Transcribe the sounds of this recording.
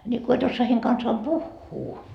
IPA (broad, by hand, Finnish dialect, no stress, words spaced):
nʲi ko et osːoɑ heiŋ kɑnsɑːm puhːuː